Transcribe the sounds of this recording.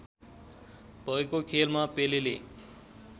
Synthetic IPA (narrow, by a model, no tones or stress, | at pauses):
bʱʌekokʰelmapelele